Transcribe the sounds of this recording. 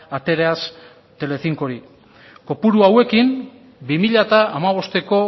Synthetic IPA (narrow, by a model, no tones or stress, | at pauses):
at̪e̞ɾeas | t̪e̞le̞θiŋko̞ɾi | ko̞puɾuawe̞kim | bimiʎat̪aamaβ̞o̞st̪e̞ko̞